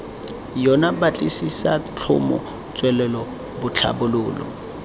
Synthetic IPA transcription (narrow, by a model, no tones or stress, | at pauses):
jɔnabat͡ɬʼisisat͡ɬʰʊ̰mɔ̰ | t͡sʼwɛlɛlɔ | bʊt͡ɬʰa̰bʊlʊːlɔ̰